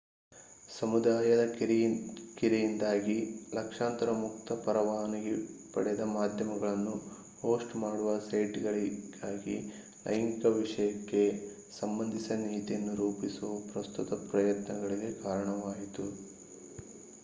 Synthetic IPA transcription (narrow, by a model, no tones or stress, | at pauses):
sɐmud̪aːjɐd̪ɐ | kiɾijind̪aːɡilɐkʂaːnt̪ɐɾɐmuk̚t̪ʰɐpɐɾɐʋaːnɐɡepɐɽɛjɐd̪ɐmaːd̪ʱjɐmɐɡɐɭɐnːu | hoːsʈmaːɽuʋɐsɐjʈɡɐɭiɡaːɡi | lʔɐ̰jŋkɐʋiʂɐjɐkːe̞ | sɐmbɐnd̪ʱisɐniːt̪ijɐnːuɾuːpisuʋɐpɾɐst̪ut̪ɐpɾɐjɐt̪nɐɡɐɭiɡe̞kaːɾɐɳɐʋaːjit̪u